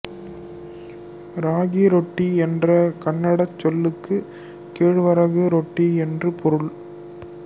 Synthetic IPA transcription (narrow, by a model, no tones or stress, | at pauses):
ɾaːɣiɾɔʈːiɛndrɐkɐɳːɐɽɐt͡ʃːɔlːɯkːɯ | keːɻʋɐɾɐɣɯɾɔʈːiɛndrɯpɔɾɯɭ